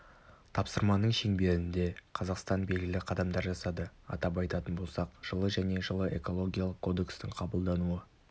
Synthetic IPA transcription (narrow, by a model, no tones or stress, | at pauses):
t̪ʰɑpsəɾmɑnəɴʃe̞ŋbe̞ɾɪnd̪e̞qʰɑzɑqst̪ɑnbe̞lɡʲɪlɪqʰɑd̪ɑmd̪ɑɾʒɑsɑd̪əɑ̰t̪ɑp̬ɑjt̪ɑt̪ənbo̞lˠsɑqʒ̥əlˠəʒæne̞ʒəlˠəʔe̞̰ko̞lˠo̞ɡʲijalˠəqkʰːo̞d̪e̞kst̪ɪɴqʰɑbəlˠd̪ɑnuə